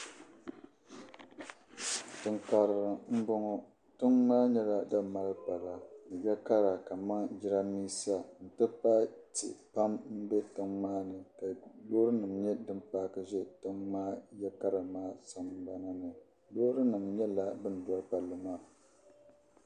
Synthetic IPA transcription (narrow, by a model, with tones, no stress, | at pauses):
tɨ˨ŋka˨ɾɨ˨ɾɨ˨m̩˦bɔ˦ŋɔ˦ | tɨ˦ŋmaː˦ɲɛ˦la˨da˦ma˦lpa˨la˨nɨ˨jɛ˦ka˦ɾa˨ka˨ma˦ŋd͡ʒi˦ɾa˦miː˦si˦a˨n̩˨tɨ˦pa˦tḭ˨pa˦mm̩˦bɛ˦tɨ˦ŋmaː˦nɨ˨ka˨lo˦ɾɨ˦nɨ˨mɲɛ˦dɨ˦mpaː˦kɨ˦ʒɛ˦tɨ˦ŋmaː˦jɛ˦ka˦ɾɨ˨maː˦sa˨mba˦na˦nɨ˨ | loː˦ɾɨ˦nɨ˨mɲɛ˦la˨bɨ˦n˨da˦ɾpa˨lːɨ˦maː˦